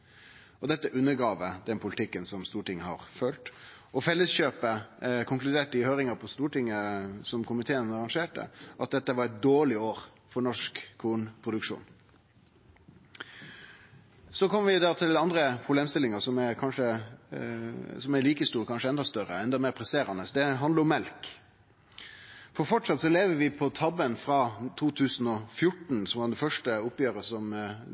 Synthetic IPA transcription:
ɔd̪ɛt̪ːəʔʉnːəɡʁɑːʋəd̪ɛnpʰʊlɪt̪ʰɪkːənsɔmst̪uːʈʰɪŋːəhɑ̰ɾfœlt̪ | ɔfɛlːəsɕøːpəkʰʊŋklʉd̪eːʈəɪhøːɾɪŋɑpʰɔst̪uːʈɪŋːəsɔmkʰʊmɪt̪ʰeːənɑɾɑŋʂeːʈə̰ʔɑt̪̚d̪ɛt̪ːəʋɑɾɛt̪̚d̪oːɭɪoːɾ | fɔɳɔʂkʰːuːnpʰʁʊd̪ʉkʂṵːn | sɔkʰɔmːəɾʋɪd̪ɑt̪ʰɪlɑnd̪ɾəpʰʁʊbleːmst̪ɪlɪŋəsɔmæɾkʰɑnʂə | sɔmæliːkəst̪uːɾkʰɑnʂəɛnd̪ɑst̪œɾə̰ɛnd̪ɑmeːɾpʰɾɛseːɾɑnəsd̪ɛɦɑnd̪əɾɔmːɛlk | fɔɾfɔʈʂɑt̪sɔleːʋəʋɪpʰɔt̪ʰɑbənfɾɑt̪ʰuːt̪ʰʉːsn̩ɔfjʊʈɳ̩sɔmʋɑɖɛnfœʂʈəʊpjøːɾəsɔm

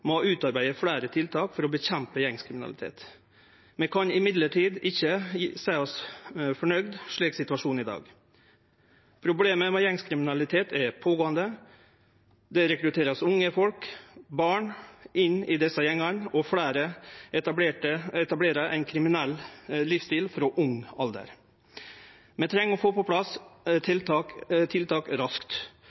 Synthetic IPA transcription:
mɔʉːt̪ɑɾbæɪəfɽæːɾət̪ʰɪlt̪ʰɑːkfɔɾɔbəçɛmpəjɛŋskʰɾɪmɪnɑ̰lɪt̪ʰḛːt̪ | mɛkʰɑnɪmɪd̪ləʈʰiːd̪ɪçːəsæːɔsfɔɳœɡd̪ʂɭiːksɪt̪ʉɑʂuːnɪd̪ɑ̰ːɡ | pʰɾʊbleːməmɛjɛŋskʰɾɪmɪnɑlɪt̪ʰeːt̪ʰɛɾpʰoːɡoːənd̪ə | d̪ɛɾɛkɾʉt̪ʰeːɾɑsʊŋːəfɔlkbɑːɳʔɪnːɪd̪ɛsɑjɛŋːənɔfɽæːɾəɛeːʈəɛt̪ɑbleːɾəʔæ̰ɪnkʰɾɪmɪnɛllifst̪iːlfɾɔʔʊŋɑld̪ə̰ɾ | mɛnt̪ʰɾɛŋːɔfoːpɔpʰlɑslt̪ɑt̪ʰɪlt̪ʰɑːkɾɑskt̪

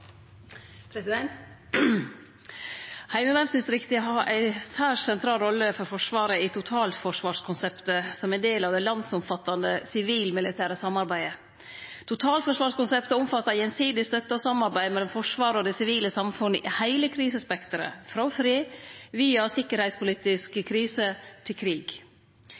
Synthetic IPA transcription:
pʰɾɛsɪd̪ɛnt̪ | hæɪməlɑnsd̪ɪst̪ɾɪkt̪əɦɑɾʔæ̰ɪsæːʂsɛnt̪ʰɾɑːlɾɔlːəfɔɾfɔʂʋɑːɾəɪt̪ʰʊt̪ʰɑːlfɔʂʋɑːʂkʰʊnsɛpt̪əsɔmæɪnd̪eːlɑːʋd̪ɛlɑnsʊmfɑt̪ːɑnd̪əsɪʋiːlmɪlɪt̪ʰæːɾəsɑmːɑɾbæɪə | t̪ʰʊt̪ʰɑːlt̪fɔʂʋɑːʂkʊnsɛpt̪əʊmfɑt̪ːɑɾjɛnsiːd̪ɪst̪œt̪ːəɔsɑmːɑɾbæɪmɛlːɔmfɔʂʋɑːɾəɔd̪ɛsɪʋiːləsɑmfʉnːəʔɪhæɪləkʰɾiːsəspɛkt̪əɾə̰fɾɑfɾiːʋiːɑsɪkːəɾhæɪt̪spʰʊliːt̪ɪskəkʰɾiːsət̪ʰɪlkʰɾiːɡ

